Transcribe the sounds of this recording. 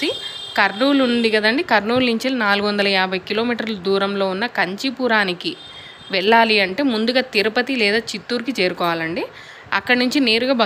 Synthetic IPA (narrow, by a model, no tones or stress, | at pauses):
i | kɐɾnuːluɳɖiɡɐd̪ɐɳɖikɐɾnuːlːiɲt͡ʃelɐnaːluɡuʋɐnd̪ɐlɐjaːbʱɐjkilo̞ːmiːʈɐɾlɐd̪uːɾɐmlo̞ːunːɐkɐɲt͡ʃipuːɾaːniki | ʋɛɭːaːliɐɳʈe̞ːmund̪uɡaːt̪iɾupɐt̪ilɛːd̪aːt͡ʃit̪ːuːɾikit͡ʃeːɾukɔːʋaːlɐɳɖi | ɐ̰kːɐɽɐnuɲt͡ʃine̞ːɾuɡaːbʱɐ